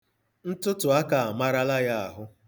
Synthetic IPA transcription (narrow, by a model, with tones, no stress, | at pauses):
n̩˦tʊ˦tʊ˨a˦ka˨a˨ma˦ɾa˦la˦ja˦a˨ɦʊ˦